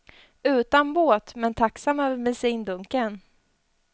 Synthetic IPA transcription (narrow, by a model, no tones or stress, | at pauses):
ʉ̟ːt̪anboːt̪mɛnt̪ʰaksamːœːvəɾmɛsiːnd̪ɵŋkən